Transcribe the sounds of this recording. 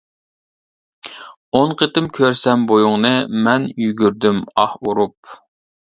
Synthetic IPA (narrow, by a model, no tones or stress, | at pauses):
onqʰət̪ɪmkʲʰøɾsɛmbojuŋnɨmɛnjyɡʲyɾd̪ymɑhuɾup̚